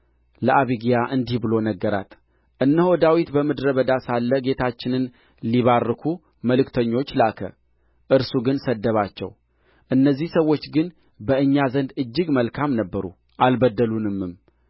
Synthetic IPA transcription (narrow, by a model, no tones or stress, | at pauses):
ləʔaβiɡijaʔɨnd̪ihbɨlo̞nəɡːəɾa̰t̪ | ʔɨnːəhod̪awit̪bəmɨd̪ɾəβəd̪asalːəɡe̞t̪ʰat͡ʃːɪnɨn | liβarːɨkʰu | məlɨkt̪ʰəɲːo̞t͡ʃːlakʰə̰ | ʔɨɾsuɡɨnsəd̪ːəβat͡ʃːɛ̰w | ʔɨnːəzːihsəwːo̞t͡ʃːɡɨn | bəɨɲːazənd̪ɨd͡ʒːɨɡməlkʰamnəbːəɾṵ | ʔalbəd̪ːəlunɨmːɨm